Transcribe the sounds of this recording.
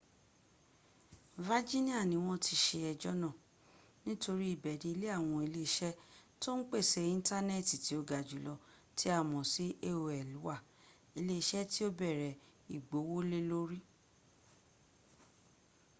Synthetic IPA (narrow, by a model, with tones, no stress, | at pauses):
va˦d͡ʒi˦nĩ˦a˦˨nĩ˨˧w̃ɔ̃˦tʰi˧ʃe˧ɛ˧d͡ʒɔ˦nã˦˨ | nĩ˦to˧ɾi˦i˦˨bɛ˨di˨i˧˦le˦a˦˨w̃ɔ̃˧i˧le˦˧ʃɛ˦to˦n̩˦k͡pe˦˨sɛ˧˦ĩ˦n̩˦ta˦nɛ˦˨ti˨ti˨˦o˧ɡa˨d͡ʒu˨˦lɔ˧ | ti˦a˦˨mɔ̃˨si˨˦ʔe˦o˧ɛ˨lu˨˦wa˦˨ | i˧le˦˧ʃɛ˦ti˦o˦bɛ˦˨ɾɛ˨i˨ɡ͡bo˨˦wo˦le˦lo˦ɾi˦